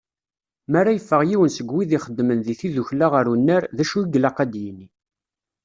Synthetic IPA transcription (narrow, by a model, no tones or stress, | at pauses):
mærːajəfːəʁjiwənsəɡwiðiχəd̪ːmənðiθiðuçlaʁəɾunːæɾðæʃuiɡlaqæd̪jinːi